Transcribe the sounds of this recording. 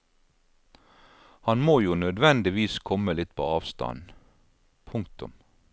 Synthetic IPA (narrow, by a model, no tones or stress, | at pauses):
hɑnmoːjuːnœd̪ʋɛnd̪ɪʋiːskʰɔməlɪt̪pʰo̰ːɑːʋst̪ɑ̰n | pʰʊŋkt̪ʊ̰m